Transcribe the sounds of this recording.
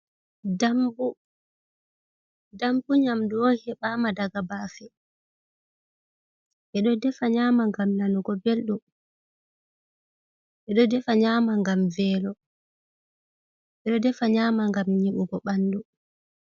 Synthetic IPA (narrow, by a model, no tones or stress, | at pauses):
dambu | dambuɲamduwɔnhɛɓaːmadaɡabafɛ | ʔɛɗɔdɛfaɲaːmaŋɡamnanuɡɔbelɗu | ʔɛɗɔdɛfaɲaːmaŋɡamvɛːlɔ | ʔɛɗɔdɛfaɲaːmaŋɡamɲiɓuɡɔɓandu